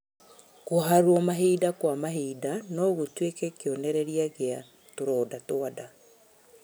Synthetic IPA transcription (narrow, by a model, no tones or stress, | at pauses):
koɦaɾwɔmaɦeidakwamaɦeːdanɔɣotwekɛkeɔnɛɾɛɾiaɣea | toɾɔːdatoada